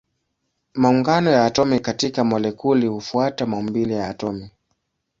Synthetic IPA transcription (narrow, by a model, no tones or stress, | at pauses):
mauŋɡanɔjaːtɔmikatikamɔlɛkulihufuatamaumbilijaːtɔmi